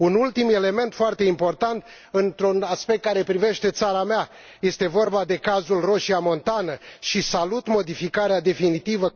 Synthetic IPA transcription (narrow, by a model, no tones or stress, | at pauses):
unult̪ime̞le̞me̞nt̪foart̪e̞impo̞rt̪ant̪ | ɨnt̪ɾunaspe̞k̚t̪̚kːaɾe̞pɾive̞ʃt̪e̞t̪saɾamea | je̞st̪e̞vo̞rbad̪e̞kazulro̞ʃiamo̞nt̪anəʃisalut̪mo̞d̪ifikaɾead̪e̞finit̪ivə